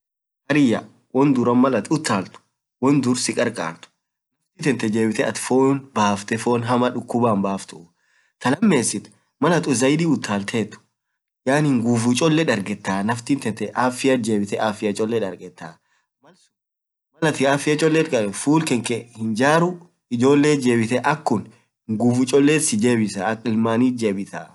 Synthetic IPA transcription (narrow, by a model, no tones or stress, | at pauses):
hɐɾɪjɐ̰ | wɔnd̪ʊɾɐmmːɐlɐt̪ʊt̪ːaːlt̪ʊ̥ | wɔnd̪ʊɾsɪkʼɐɾkʼa̰ːɾt̪ʊ̥ | nɐft̪iːt̪ɛnt̪ːɛd͡ʒe̞ːbɪt̪ɛɐt̪foːnbaːft̪ɛfo̞ːnɦɐmɐᶑʊkːʊbaːmbaːft̪ʊ | t̪ɐlɐmːe̞ːsːɪt̪ | mɐlɐt̪ʊzɐjd̪iːʊt̪ʰːaːlt̪ʰeːt̪ːʊ̥ | jaːnhɪŋɡuːfʊt͡ʃʼɔlːɛᶑɐɾɡɛt̪ːaːnɐft̪ɪnt̪ɛnt̪ɛʔaːfɪjɐd͡ʒe̞ːbɪt̪ɛʔaːfɪjɐt͡ʃʼɔlːɛᶑɐɾɡɛt̪ːaː | mɐl | mɐlɐt̪ɪaːfɪjɐt͡ʃʼɔlːɛt̪kʼɐbɛfuːlkɛŋkɛhɪnd͡ʒaːɾʊ | ɪd͡ʒo̞ːlːe̞ːd͡ʒe̞ːbɪt̪ɛʔɐkːʊn | hɪŋɡuːfʊt͡ʃʼɔlːeːsɪd͡ʒe̞ːbɪsɐɐkʼːɪlmaːniːt̪d͡ʒe̞ːbɪt̪a̰ː